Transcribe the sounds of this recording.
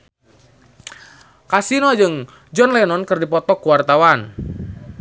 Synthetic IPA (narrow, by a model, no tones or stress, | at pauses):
kasinɔd͡ʒɨŋ | d͡ʒɔnlɛnɔnkərdipɔt̪ɔkːuwart̪awan